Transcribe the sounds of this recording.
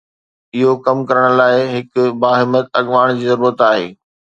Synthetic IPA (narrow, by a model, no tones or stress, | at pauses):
ɪɦokɐmkɐɾəɽ̃laːɪɦɪkʊbaːɦɪmət̪ɐɠʋaːɽ̃d͡ʑiːzɐɾuːɾət̪aːɦḛː